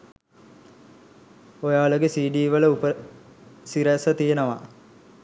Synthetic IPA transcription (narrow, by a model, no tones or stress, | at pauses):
ojaːʋləɡesiːɖiːʋələupə | siɾæsət̪ijenəʋa